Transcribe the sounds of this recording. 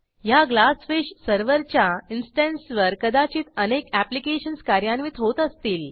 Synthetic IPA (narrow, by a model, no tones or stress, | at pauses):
jaɡlasfeɕsəɾʋəɾt͡ɕjainsʈẽnsʋəɾkəd̪at͡ɕiːt̪ənekæplikeɕənskaɾjãnʋiːt̪ɦot̪əst̪iːl